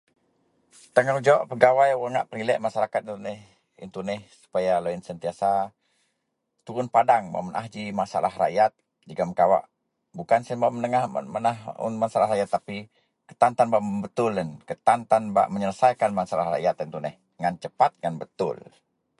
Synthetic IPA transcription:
t̪əŋɔhd͡ʒɔʔpəɡawajwəŋaʔpəɾilɛʔmaʃaɾakat̪int̪unɛh | ḭnt̪unɛhsu̥pajaloinsənt̪iasa | t̪uɾʊnpadaŋma̰mənʔa̰hd͡ʒimasa̰la̰ɦra̰ʔjat̪̚ | d͡ʒəɡaməkawa̰ʔ | bukansənbamənəŋahmənahʊ̰nmasalahɾajat̪ːapi | kə̥t̪ant̪anbaʔmbət̪ʊlənkət̪ant̪anba̰ʔməɲələsajkanmasalaɦra̰jat̪int̪unɛh | ŋant͡ʃəpat̪̚ŋanbət̪ʊ̰l

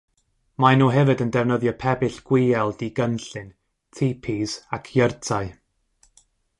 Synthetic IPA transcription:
manuːɦɛvɨdəndɛvnəðjɔpʰɛbɪɬɡ̥wɪɛlˠdiɡənɬɨn | tʰipʰizakʰjərtʰaɨ

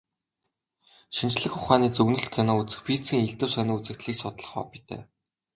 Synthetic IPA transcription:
ʃint͡ɕɮɘ̆xʊχaːniːt͡sɵɣnɵ̆ɬt̪̚kʰenɔut͡sɘ̆xpʰiːt͡siːŋiɮt̪ɘ̆wsœniːut͡sɘ̆kt̪ɮiːksɔt̪ɮɞ̥̆χɔ̰ːpi̥t̪æ̰ː

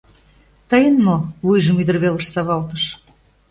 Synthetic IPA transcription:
t̪əjənmoβujʒəmyd̪ərβelə̆ʃsɑβɑlt̪əʃ

